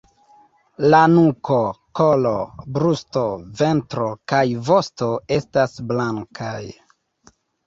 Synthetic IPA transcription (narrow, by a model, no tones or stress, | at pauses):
lanuko̞ko̞lobɾusto̞ve̞ntɾo̞kajvo̞sto̞e̞stasblaŋkʰaj